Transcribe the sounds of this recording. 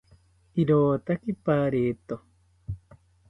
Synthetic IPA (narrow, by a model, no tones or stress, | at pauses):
iɾoːt̪akipaːɾeːt̪o